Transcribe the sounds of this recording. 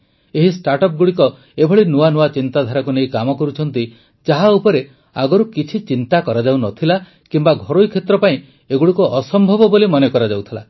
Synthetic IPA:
eɦisʈaɾʈɔp̚ɡuɽikɔ | ebʱɔɭinuanuat͡ʃint̪ad̪ʱaɾɔkunejkamɔkɔɾut͡ʃʰɔnt̪i | d͡ʒaɦaupɔɾe | a̰ɡɔɾukit͡ʃʰit͡ʃint̪akɔɾad͡ʒawnɔt̪ʰila | kimbaɡʱɔɾojkʰet̪ɾɔpaĩ | eɡuɽikuʔɔsɔmbʱɔbɔbolimɔnekɔɾad͡ʒawt̪ʰila

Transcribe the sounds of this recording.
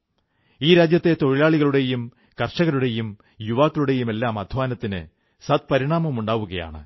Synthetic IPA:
iːɾaːd͡ʑjɐt̪ːe̞t̪oɻilaːɭiɣɐɭuɽe̞jum | kɐrʂɐɣɐɾuɽe̞jum | juʋaːkːɐɭuɽe̞jume̞lːaːmɐd̪ʱʋaːnɐt̪ːinɨ̰ | sɐt̪̚pɐɾiɳaːmɐmuɳɖaːʋuɣɐja̰ːɳɨ̰

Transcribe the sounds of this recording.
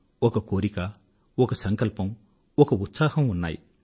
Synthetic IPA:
ɔkɐkoːɾika | ɔkɐsɐŋkɐlpɐm | ɔkɐut̪saːhɐmunːa̰ːji

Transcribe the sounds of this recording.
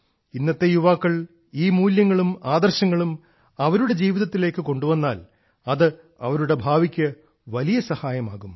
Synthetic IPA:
inːɐt̪ːe̞juʋaːkːɐɭ | iːmuːljɐŋːɐɭumaːd̪ɐrɕɐŋːɐɭum | ɐʋɐɾuɽe̞d͡ʑiːʋiðɐt̪ːile̞ːkːɨko̞ɳɖuʋɐnːaːl | ɐðɨ | ɐ̰ʋɐɾuɽe̞bʱaːʋikʲːɨ | ʋɐlijɐsɐhaːjɐmaːɣum

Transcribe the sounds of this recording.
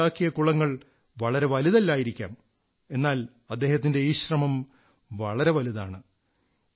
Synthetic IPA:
aːkːijɐkuɭɐŋːɐɭ | ʋɐɭɐɾe̞ʋɐliðɐlːaːjiɾikʲːa̰ːm | e̞nːaːl | ɐd̪ːe̞ːhɐt̪̬ːinde̞jɕrɐmɐm | ʋɐɭɐɾe̞ʋɐliðaːɳɨ

